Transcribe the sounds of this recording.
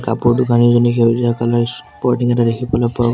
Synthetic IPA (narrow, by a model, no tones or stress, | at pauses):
kapuɹdukanizɔnikeziakalaspɔɹtiŋɛtadekʰipɔlɔpɔa